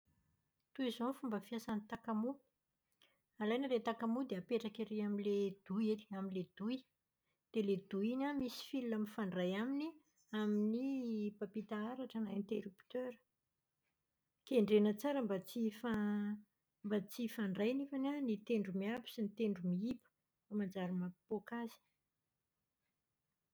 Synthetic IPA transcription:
t̪uizonfumbəfiasanit̪akamu | alajnəlet̪akamud̪eapeʈ͡ʂakiɾeamiled̪̥ujiliaminled̪̥uj | d̪̥eled̪uinamisi̥filunamifaɳɖ͡ʐajamini | aminipapit̪aaɾaʈ͡ʂənaent̪eɾupt̪øɾə̥ | keɳɖ͡ʐenət͡saɾəmbat͡sifa | mbat͡sifaɳɖ͡ʐajnifananit̪eɳɖ͡ʐumiapi̥sinit̪eɳɖ͡ʐumiipə̥ | amand͡zaɾimapokazi̥

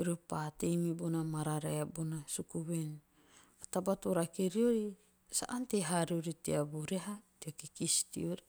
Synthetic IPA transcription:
iɾopatejmibonamaɾaɾeabonasukuβen | atabatuɾakeɾioɾi | sa̰ʔanteɦaɾioɾiteabuɾeɦateakikistḭoɾi

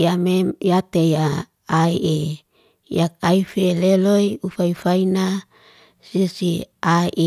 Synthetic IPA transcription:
jamemjat̪ejaː | iʔe | jak̚aifeleloiufaifaina | sisiaiʔe

